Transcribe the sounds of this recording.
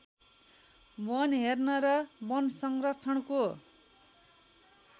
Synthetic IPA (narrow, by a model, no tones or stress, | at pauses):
bʌnɦernʌɾʌbʌnsʌŋrʌt͡sʰʌɳko